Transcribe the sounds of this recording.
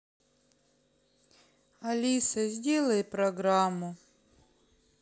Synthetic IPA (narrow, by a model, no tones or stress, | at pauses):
ɐlʲisɐzʲdʲelˠɐjɪpɾɐɡɾamːʊ